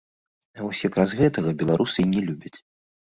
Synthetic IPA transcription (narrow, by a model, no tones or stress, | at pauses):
ɐvɔsʲjakɾasɣɛt̪ɐɣɐbʲɛlˠaɾʔusɨinʲɛlʲubʲɐt͡sʲ